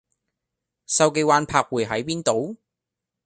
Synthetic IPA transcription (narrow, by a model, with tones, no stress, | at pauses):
sɐ˧wk̬e˧jwaː˧npʰaː˧k̚wuː˨˩jɦɐ˨˥jpiː˥nt̪o˨˧˥w